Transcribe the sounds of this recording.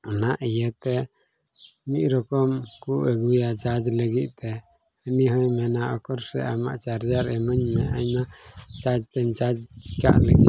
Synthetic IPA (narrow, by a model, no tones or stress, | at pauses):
anaʔijət̪ɛ | mit̪̚ˀɾɔkɔmkuʔəɡujat͡ʃad͡ʒləɡit̪̚ˀt̪ɛ | əniɦɔjmɛnaʔɔkɔɾsɛ̰ama̰ʔt͡ʃaɾd͡ʒaɾɛməɲmɛʔaɲnat͡ʃad͡ʒt̪ɛɲt͡ʃad͡ʒt͡ʃi̥ka̰ʔləɡḭ